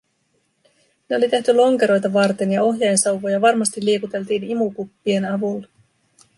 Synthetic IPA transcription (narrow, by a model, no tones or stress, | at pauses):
ne̞o̞lit̪eht̪ylo̞ŋke̞ɾo̞jt̪ɑʋɑrt̪e̞njɑo̞ɦjɑjensɑwʋojɑʋɑrmɑst̪ilːiekut̪e̞lt̪iːnimukupːie̞nɑʋulː